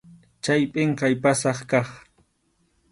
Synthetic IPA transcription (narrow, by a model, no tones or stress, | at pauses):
t͡ʃajpʼɪɴqɑjpasɑχkɑχ